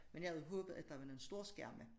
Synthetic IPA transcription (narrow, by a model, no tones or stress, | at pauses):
menjɑ̈hæð̩ˠɦɔːb̥ð̞̩ˠæd̥ɑ̈ʋɑnoensd̥o̝ɐ̰sɡ̥æɐ̰mə